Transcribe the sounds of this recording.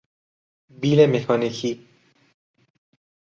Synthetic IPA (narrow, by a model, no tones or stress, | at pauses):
biːlemexʰɒːnikʰi